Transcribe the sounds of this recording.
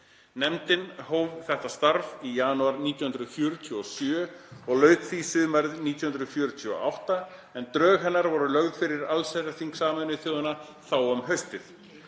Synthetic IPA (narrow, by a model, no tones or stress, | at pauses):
nɛmt̪ɪnhoːwvθɛht̪ast̪aɾvijaːnuaɾniːt̪jawhʏnɾʏðfjœːɾʏt̪ʰuɔsjœːɔɣlœːɥt̪fisɪðmaɾðniːt̪jhʏnɾʏðfjœːɾʏt̪ʰyɔ̰ʔa̰wht̪a | ɛnt̪ɾœːɣɦɛnːaɾvɔɾʏlœɣðfɪɾɪɾalsaɾaθiŋksaːmœnɪθjɔːðʏna | θawœmɦœɥst̪ɪθ